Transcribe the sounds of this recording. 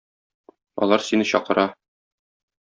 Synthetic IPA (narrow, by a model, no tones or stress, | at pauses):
ɒ̰lˠɑɾsinɘɕɒqɤ̆ɾɑ